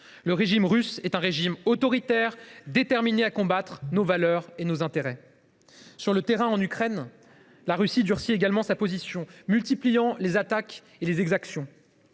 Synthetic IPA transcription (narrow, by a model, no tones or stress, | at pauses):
ləʁeʒimʁysɛt̪ɛ̃ʁeʒimot̪ɔʁit̪ɛʁd̪et̪ɛʁmineakɔ̃bat̪χnovalœʁenozɛ̃t̪eʁɛ | syʁlət̪eʁɛ̃ɑ̃nykχɛn | laʁysid̪yʁsieɡalmɑ̃sapozisjɔ̃mylt̪iplijɑ̃lezat̪ak | elezɛɡzaksjɔ̃